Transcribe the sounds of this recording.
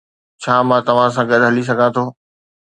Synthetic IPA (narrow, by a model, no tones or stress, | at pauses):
t͡ɕʰaːmãt̪ɐʋ̤ãs̬ãːɡɐɗɦɐlis̬ɐɡʱãt̪ʰoː